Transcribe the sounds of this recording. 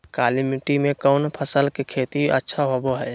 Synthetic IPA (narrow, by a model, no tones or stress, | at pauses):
kaːlimiʈimẽkəʊnpʰəsəlkekʰeːt̪iʔə̰tːʃʰaɦoːboɦɛː